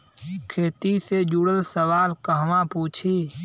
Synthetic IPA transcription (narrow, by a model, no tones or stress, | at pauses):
kʰeːt̪ised͡ʒuɽəlsəʋaːlkəɦʋãpuːt͡ʃʰiː